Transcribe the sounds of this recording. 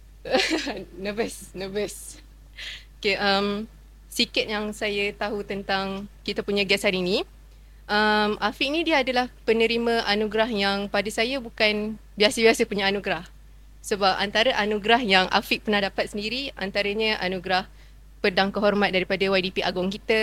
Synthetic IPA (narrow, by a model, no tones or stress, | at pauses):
nəbəsnəbəs | okeʔəm | sikat̪̚jaŋsajat̪aɦut̪ənt̪aŋkit̪apuɲaɡɛsaɾinĩ | ʔəmʔafiʔnĩdiəadalahpənə̃ɾimə̃ʔanuɡɾaɦjaŋpadasajabukanbiasəbiasəpuɲaːnuɡɾah | səbap̚a̰nt̪aɾəʔanũɡɾahjaŋʔa̰fik̚pərnahdapat̪̚səndiɾia̰nt̪aɾəɲəʔanuɡɾah | pədaŋkəɦɔrmãt̪̚daɾipadawajdipiʔaɡʊŋkit̪ə